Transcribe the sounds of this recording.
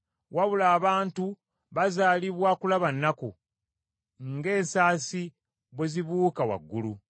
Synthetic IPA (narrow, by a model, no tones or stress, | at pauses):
waβulaːβaːntu | βazaːliβwakulaβanːaku | ŋɡe̞ːsaːsi | βweziβuːkawa̰ɡːulu